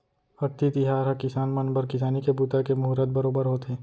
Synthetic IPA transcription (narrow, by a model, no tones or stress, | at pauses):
ɐɾt̪ːit̪ɪɦaːɾɦɐkɪsaːnmɐnbəɾkɪs̬aːnikebuːt̪akemʊɦɾət̪̚bɐɾoːbəɾɦoːt̪eː